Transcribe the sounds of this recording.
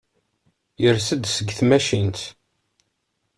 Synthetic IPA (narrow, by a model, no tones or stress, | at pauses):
jəɾsəd̪səɡθmæʃint̪